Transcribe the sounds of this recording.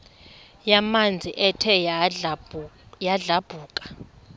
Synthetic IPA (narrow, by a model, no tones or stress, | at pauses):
jamand͡zʱiʔɛtʰɛ | jaɮab̥ʱuːkʼḁ